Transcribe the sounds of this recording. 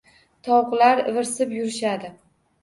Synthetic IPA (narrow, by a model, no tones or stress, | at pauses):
t̪ʰɒwqlaɾvɪɾsɪpjʊɾɪʃad̪ɪ